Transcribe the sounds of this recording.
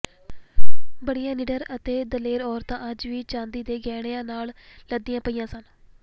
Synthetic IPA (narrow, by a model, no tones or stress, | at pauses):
bəɽijãːnɪːɖəɾət̪eːd̪əleːɾɔːɾt̪ãːəd͡ʒʋiːt͡ʃãːnd̪iːd̪eːɡɛːɽeːãːnaːlləd̪iːjãːpəiːjãːsən